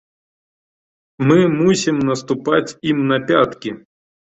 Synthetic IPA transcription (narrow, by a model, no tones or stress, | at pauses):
mɪmusʲimnɐst̪ʊpɑtʲimnɐpʲat̪kʲi